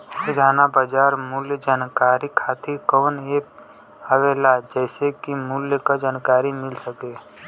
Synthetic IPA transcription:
ɪd̪ʱaːnabad͡ʒaːɾmʊljəd͡ʒaːnkaːɾikʰaːt̪ʰikɔːneːk̚ | əʋeːlad͡ʒɛːsekimʊljəkad͡ʒaːnkaːɾimɪlsəke

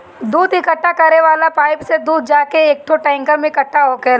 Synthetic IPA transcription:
d̪uːd̪ɪkəʈːakɐɾeʋaːlapaːɪpsed̪uːd̪̚ʱd͡ʒaːkeeːk̚ʈʰoʈɛ̃ːŋkəɾmẽɪkəʈʰːaɦoke

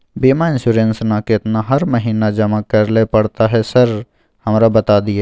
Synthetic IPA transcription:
beːmaɪ̃nsuːɾẽnsnakɪt̪naɦɐɾməɦiːnad͡ʒɐmakɐɾlepɐɽt̪aɦɛsəɾ | hɐmɾabɐt̪ad̪ɪeː

